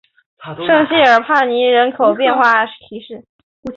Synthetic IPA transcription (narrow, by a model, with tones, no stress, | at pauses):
ʂɤ˥˧ŋɕi˥˩ə˞˨˩pʰa˥˩ni˧˥ɻə˧˥nkʰo˨˩ʊpjɛ˥˧nxwa˥˩˥t̪ʰi˧˥ʂɻ̩˥˩